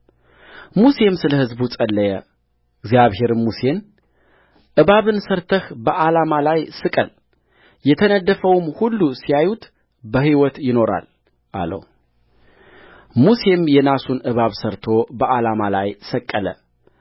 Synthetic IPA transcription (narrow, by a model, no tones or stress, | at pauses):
muse̞msɨləhɨzbusʼəlːəjɛ | ɨɡzijaβhe̞ɾmuse̞n | ʔɨβaβɨnsəɾt̪ʰəhbəʔalamalajsɨkʼəl | jɛt̪ʰənəd̪ːəfəwmhulːusijajut̪ | bəhiwɔt̪jɪno̞ɾa̰l | ʔa̰lə̰w | muse̞mjɛnasunʔɨβaβsəɾt̪ʰo̞bəʔalamala̰jsəkʼːələ̰